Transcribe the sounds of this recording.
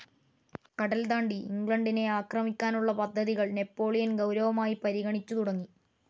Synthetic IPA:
kɐɽɐld̪aːɳɖiiŋɡɭɐɳɖine̞aːkrɐmikʲːaːnuɭːɐpɐd̪ʱːɐðiɣɐɭne̞pːo̞ːɭijɐnɡɐwɾɐʋɐmaːjipɐɾiɣɐɳit͡ɕːut̪uɽɐŋːi

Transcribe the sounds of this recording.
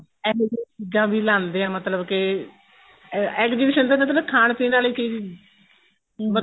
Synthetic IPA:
ɛːɦdiːt͡ʃid͡ʒãːbiːlãːnd̪eːãːmət̪ləbkɪ | ɛːkd͡ʒiːbiːʃənd̪emət̪ləkʰaːɳpĩːnaːləiːkiːi | mə

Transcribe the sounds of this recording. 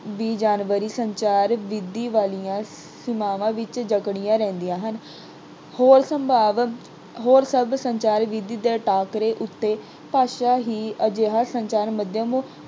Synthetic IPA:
ʋiːd͡ʒaːnʋəɾiːsəɲt͡ʃaːɾʋɪd̪iːʋaːlijãː | sɪmaːʋãːʋɪt͡ʃd͡ʒəkɽijãːɾɛ̃ːnd̪ijãːɦən | hoːɾsəmbʱaːʋ | ɦoːɾsəbsəɲt͡ʃaːɾʋɪd̪iːd̪eːʈaːkɾeːʔʊt̪ːeː | paːʃaːɦiːəd͡ʒeːɦaːsəɲt͡ʃaːɾməd̪jaːmũː

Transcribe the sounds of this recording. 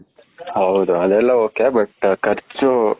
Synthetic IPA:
hɐud̪uɐd̪ɛlːɐoːkebɐʈkɐɾt͡ʃu

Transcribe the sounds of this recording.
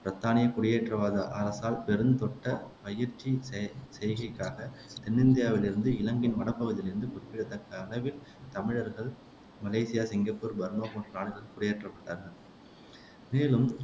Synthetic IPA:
pɾɐt̪ːaːnɪjɐkʊɽɪjeːʈrɐʋaːðɐʔɐːɾɐsaːlpɛɾɯnt̪ɔʈːɐpɐjɪɾt͡ʃːisɛjɣɪkːaːɣɐt̪ɛnːɪnd̪ɪjaːʋɪlɪɾɯnd̪ɯɪlɐŋɡɪnʋɐɽɐpːɐɣɐðɪlɪɾɯnd̪ɯkʊɾɪpːɪɽɐt̪ːɐkːɐːlɐʋɪl | t̪ɐmɪɻɐɾɣɐɭ | mɐleɪsɪjaːsɪŋɡɐpːuːɾbɐɾnoːkoːɳɖɐɾaːɳɯɣɐɭkʊɽɪjeːʈrɐpːɐʈːaːɾɣɐɭ | meːlɯm

